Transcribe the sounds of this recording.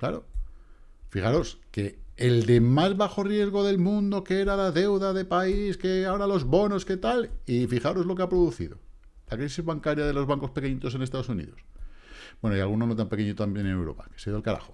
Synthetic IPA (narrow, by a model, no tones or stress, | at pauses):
kla̰ɾo̞̰ | fiχaɾo̞ske̞ːld̪e̞mazβaxo̞rje̞zɣ̞o̞ðe̞lmũnd̪o̞keeɾalaðe̞wðaðe̞paiske̞aoɾalo̞zβo̞no̞ske̞t̪alifixaɾozlo̞keapɾo̞ðuθḭðo̞̰ | lakɾisizβaŋkaɾjaðe̞lo̞zβaŋko̞spe̞keɲit̪o̞s̬e̞nest̪aðo̞sunḭðo̞sbwenoialɣunonot̪ampeke̞ɲit̪ot̪amjenenewɾo̞̰pḁke̥seðoalkaɾa̰xo